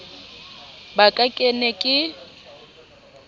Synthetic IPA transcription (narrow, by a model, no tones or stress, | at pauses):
bakʼakʼenɛkʼɪ